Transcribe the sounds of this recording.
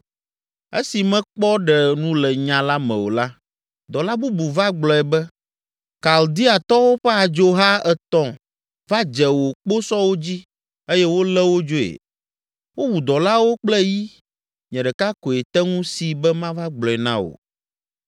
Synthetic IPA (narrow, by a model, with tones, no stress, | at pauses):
ḛ˦si˨mɛ̃˦k͡pɔ˦ɖɛ˨nũ˦lɛ˨ɲã˨la˦mɛ̃˨wo˨la˦ | d̪ɔ˨la˦bu˦bu˨va˦ɡ͡blɔ˨ɛ˨bɛ˦ | ka˨ld̪i˦a˨t̪ɔ˦wo˦ɸɛ˦a˨d͡ʒo˦ɦa˦ɛ˨t̪ɔ̃˦˨ | va˦d͡ʒɛ˨wo˨k͡po˦sɔ˦wo˦d͡ʑi˦ | e˦jɛ˦wo˦lɛ˦wo˦d͡ʒo˦ḛ˨ | wo˦wu˨d̪ɔ˨la˦wo˦k͡plɛ˦ji˦ | ɲɛ̃˨ɖɛ˨ka˦ko˨e˨t̪ɛ˦ŋũ˦si˨bɛ˦mã˦va˦ɡ͡blɔ˨ɛ˨nã̰˦wo̰˨